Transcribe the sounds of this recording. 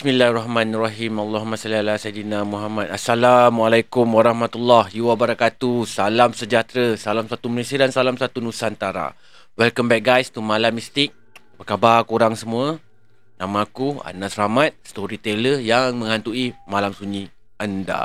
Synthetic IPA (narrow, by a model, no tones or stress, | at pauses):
bismilarɔhmãnraɦimalːɔɦmasalialasajdinamuɦamat̪asalamwalajkumwaɾɑhmat̪ulːɔhjiwabəɾakat̪usalamsəd͡ʒat̪ɾəsalamsat̪umənesiədansalamsat̪unusant̪aɾa̰ | wɛlkəmbɛk̚ɡajst̪umalamːist̪ɪk̚ | bəkabarkuɾaŋsəmũə | nãmaːkua̰nasɾamat̪̚st̪oɾit̪eləjaŋmə̃ŋant̪uimalamsuɲĩ | anda̰